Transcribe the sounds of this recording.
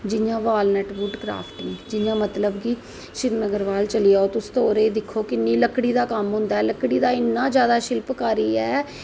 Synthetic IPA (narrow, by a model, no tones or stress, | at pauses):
d͡ʒɪjãːʋaːlnɛːʈbʊɖɡɾa̰ːpʈɪŋɡd͡ʒɪjãːmət̪ləbɡiː | ʃɪɾnəɡəɾʋaːlt͡ʃəlɪjaːoːt̪ʊst̪oːɾeːd̪ɪkʰːoːkɪnːĩːləkɽiːd̪aːkəmɦʊ̃nd̪aɛːləkɽiːd̪aːɪnːãːd͡ʒjaːd̪aːʃɪlpkaːɾiːɛː